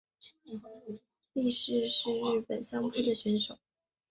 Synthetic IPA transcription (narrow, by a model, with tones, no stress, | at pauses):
li˥˧ʂɻ̩˥˧ʂɻ̩˥˧ɻɻ̩˥˩pə˨˩nɕjɑ˥ŋpʰu˥˩d̪ə˨ɕɥɛ˧˥nʂo˨˩˦